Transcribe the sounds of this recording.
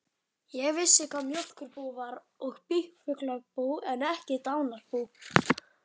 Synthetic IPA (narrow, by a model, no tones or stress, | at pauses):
jɛɣvɪsːɪkʰvaðmjɔl̥kʏɾpuːvaɾ | ɔɣpihkfʏklapuwɛnɛhcɪt̪awnaɾ̥puːw